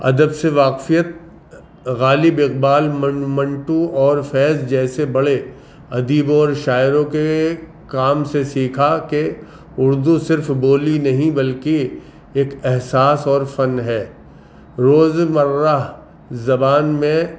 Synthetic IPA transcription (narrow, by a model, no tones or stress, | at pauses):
ɐ̰d̪əbseʋaːqfijət̪̚ | ɣaːlɪbɪqbaːlmɐmɐ̃ɳʈũɔːɾfɛːzd͡ʒɛːsebɐɭe | ɐd̪iːbɔːɾʃaːɪɾõke | kaːmsesiːkʰake | ʊɾd̪usɪɾfboːlinɐɦĩbɐlke | eːkɛɦsaːsɔːɾfɐnɦɛː | ɾoːzmɐɾːaɦ | zɐbaːnmẽ